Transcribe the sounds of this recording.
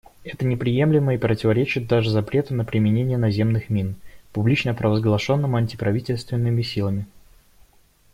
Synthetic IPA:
ɛt̪ənʲɪpɾʲɪje̞mlʲɪməipɾətʲɪvɐɾʲet͡ɕɪt̪̚d̪aʐɨzɐpɾʲe̞t̪ɨnəpɾʲɪmʲɪnʲenʲɪjənɐzʲe̞mnɨxmʲinpʊblʲit͡ɕnəpɾəvəzɡlˠɐʂo̞nːəmɐnʲtʲɪ̥pɾɐvʲitʲɪlʲst̪vʲɪnːɨmʲɪsʲilˠəmʲɪ

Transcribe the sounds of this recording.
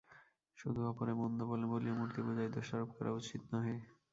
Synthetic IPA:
ʃud̪ʱuapoɾemond̪oboleboliomuɾt̪ibod͡ʑaed̪oʃaɾob̚kɔɾa̰ut͡ɕit̪naɦɔj

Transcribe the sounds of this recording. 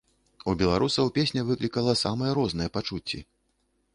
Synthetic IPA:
ubʲɛlˠaɾʔusɐwpʲesʲnʲɛvɨklʲikɐlˠɐsamɐjɛɾɔznɐjɛpat͡ʂut͡sʲːḭ

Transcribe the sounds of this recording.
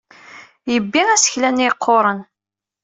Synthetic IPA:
jəbːiæsə̥çlæniqʰːoɾˤən

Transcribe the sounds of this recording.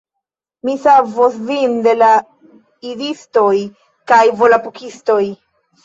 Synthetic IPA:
misavosvinde̞la | idisto̞j | kajvolapukisto̞j

